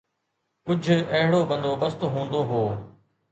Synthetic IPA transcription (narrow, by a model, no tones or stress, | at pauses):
kʊd͡ʒʱɐɦɽoːbə̃nd̪oːbəst̪oɦũːnd̪oːɦoː